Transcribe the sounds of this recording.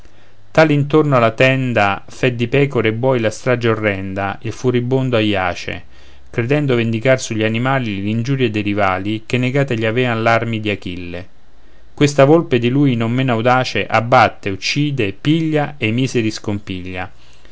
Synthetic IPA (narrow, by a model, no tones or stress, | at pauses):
t̪aːlint̪ornoalat̪ɛnd̪a | fɛd̪ːipɛːkoɾeːbːɔjlast̪ɾad͡ʒaorːɛnd̪ailfuɾibond̪oajːaːt͡ʃḛ | kɾed̪ɛnd̪ovend̪ikarsuʎːianimaːlilind͡ʒuːɾjed̪eɾivaːlikenːeɡaːt̪eʎːiavɛanlarmid̪iakilːe | kwest̪avolped̪iluːjnomːenawd̪aːt͡ʃeʔabːat̪ːeut͡ʃːiːd̪epiʎːaemiːseɾiskompiʎːa̰